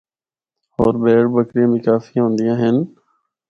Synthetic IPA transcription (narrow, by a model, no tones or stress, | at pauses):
ɔːɾbeːɽbəkɾijãːmĩːkaːfiːɦõːnd̪ɪjãːɦɪn